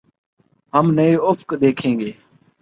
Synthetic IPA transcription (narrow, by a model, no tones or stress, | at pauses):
ɦəmnəeːʊfkd̪eːkʰẽːŋɡeː